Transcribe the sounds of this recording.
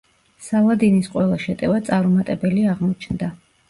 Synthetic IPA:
salˠad̪inisqʼwɛlˠaʃɛt̪ʼɛvat̪sʼaɾumat̪ʼɛbɛliaʁmɔt͡ʃʰnd̪a

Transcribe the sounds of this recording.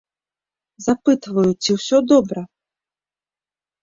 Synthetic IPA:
zapɨt̪vɐjut͡sʲiwsʲɔd̪ɔbɾɐ

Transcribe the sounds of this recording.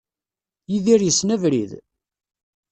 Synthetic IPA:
jiðiɾjəsnævɾḭð

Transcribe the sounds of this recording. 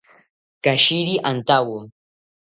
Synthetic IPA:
kaʃiɾiʔant̪awo

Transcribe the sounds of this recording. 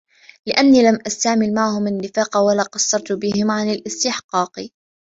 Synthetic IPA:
lɪʔanːiːlamʔast̪aʕmɪlmaʕhʊmanːɪfaːqwalaːqɑsˤːɑɾˤt̪ʊbɪhɪmʕanalʔɪst̪ɪħqɑːqi

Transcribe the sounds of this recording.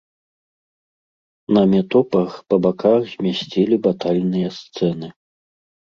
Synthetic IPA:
nɐmʲɛt̪ɔpɐxpɐbakʰaxzʲmʲasʲt͡sʲɛlʲibat̪alʲnɨjɐst̪sɛnɨ

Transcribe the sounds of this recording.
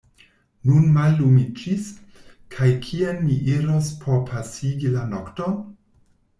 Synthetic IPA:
nunmalːumid͡ʒis | kʰajkʰienːiʔiɾospʰopʰasiɡilanokton

